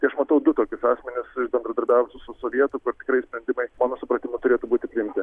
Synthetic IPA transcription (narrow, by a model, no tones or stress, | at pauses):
t̪ɐɪɐʃmɐt̪ɐʊd̪ʊt̪oːkʲɪsɑːsʲmʲɪnʲɪsɪʃbʲɛnd̪ɾɐd̪ɐɾʲbʲæːʋʊsʊsʊsoːʋʲiɛt̪ʊkʊrt̪ʲɪ̥kɾɐɪsʲpʲɾʲɛnʲd̪ʲɪmɐɪmɑːnoːsʊpɾɐt̪ʲɪmʊt̪ʊɾʲeːt̪ʊbuːt̪ʲɪpʲɾʲɪɪmʲt̪ʲɪ